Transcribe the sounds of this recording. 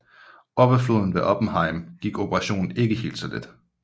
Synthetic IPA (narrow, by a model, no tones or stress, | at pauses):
ɒ̽b̥ɐfloð̞ˠn̩ʋeʔɒb̥n̩ɦɑ̈ɪmɡ̥iɡ̥o̝b̥ʰəʁɑ̈ɕo̝̰ːnn̩e̝ɡ̥əhe̝̰ːld̥sɒ̽led̥